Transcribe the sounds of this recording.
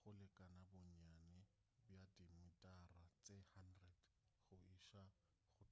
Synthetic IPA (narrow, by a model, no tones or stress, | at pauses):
χʊlɪkʼanabɔɲanɛ | bjadimɪtʼarat͡sʼehandrɛd | χʊiʃa | χʊ